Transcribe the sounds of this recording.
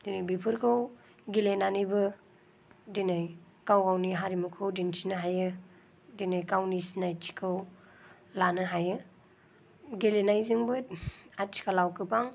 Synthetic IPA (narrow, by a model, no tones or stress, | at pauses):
d̥inɯjbipʰɯɾkʰɯw | ɡilenanibɯ | dinɯj | kawɡawniɦaɾimukʰɯwdint͡ʃʰinɯɦajɯ | dinɯjkawnisnajt͡ʃʰi̥kʰɯw | lanɯɦajɯ | ɡelenajziŋbɯat͡ʃʰi̥kʰalawkʰɯpaŋ